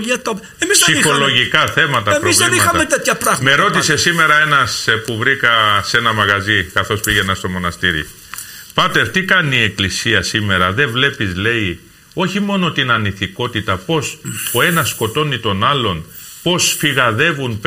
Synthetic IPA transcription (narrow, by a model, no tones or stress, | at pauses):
iɐt̪o | emizssixxoloʝikɐθe̞mɐt̪ɐepoizvinimɐɐɐmet̪et̪çɐpɾɐɣmmeɾo̞t̪ise̞sime̞ɾɐe̞nɐspuvɾikɐse̞nɐmɐɣɐzikɐθo̞spiʝe̞nɐst̪o̞mo̞nɐst̪iɾḭ | pɐt̪eɾt̪ikɐniːe̞klisiɐsime̞ɾɐðe̞vle̞pizle̞i | o̞çimo̞no̞t̪inɐniθiko̞t̪it̪ɐpo̞soe̞nɐsko̞t̪o̞nit̪o̞nɐlo̞n | po̞sfiɣɐðe̞vunp